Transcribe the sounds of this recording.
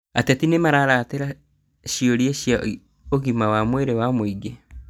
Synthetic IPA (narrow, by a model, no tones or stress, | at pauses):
atɛtinemaɾaɾateɾa | ɕioɾieɕia | oɣimawamweɾewamoiɡe